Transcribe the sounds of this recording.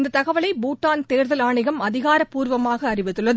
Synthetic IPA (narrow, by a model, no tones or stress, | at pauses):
nd̪ɐt̪ːɐɣɐʋɐɭɐɪbuːʈːaːnt̪eːɾðɐlaːɳɪɣɐmɐðɪɣaːɾɐpːuːɾʋɐmaːɣɐːrɪʋɪt̪ːɯɭːɐð